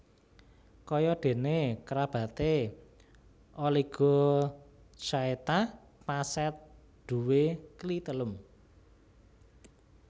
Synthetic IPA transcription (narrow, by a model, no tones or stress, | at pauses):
kɔjɔɖ̪̥e̤nekəɾab̥ä̤t̪e | ʔoliɡ̥o̤ | t͡ʃaet̪a | pasɛt̪̚ | ɖ̪̥ṳweklit̪əlʊm